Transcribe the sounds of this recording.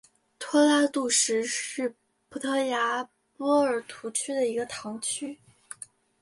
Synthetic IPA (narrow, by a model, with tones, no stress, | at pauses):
t̪ʰwɔ˥la˥t̪u˥˩ʂɻ̩˧˥ʂɻ̩˥˩ | pʰu˧˥t̪ʰɤ˥˩ja˧˥ | pwɔ˥ə˞˨˩t̪ʰu˧˥t͡ɕʰy˥d̪ə˨i˧˥ɡə˧t̪ʰɑ˧˥ŋt͡ɕʰy˥